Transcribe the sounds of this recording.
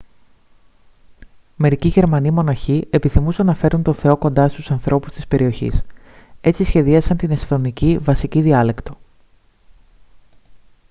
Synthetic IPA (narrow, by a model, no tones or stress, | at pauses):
me̞ɾiciʝe̞ɾmɐnimo̞nɐçie̞piθimusɐnɐfe̞ɾunt̪oθe̞o̞ko̞nd̪ɐst̪usɐnθɾʔo̞pu̥st̪ispe̞ɾio̞çḭs | e̞t͡sisçe̞ðiɐsɐnt̪ine̞st̪o̞nicivɐsiciðiɐle̞kt̪o̞̥